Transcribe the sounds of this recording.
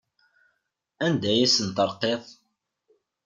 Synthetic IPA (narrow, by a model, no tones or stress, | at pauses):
ænd̪æjæsənt̪əɾˤqːeðˤ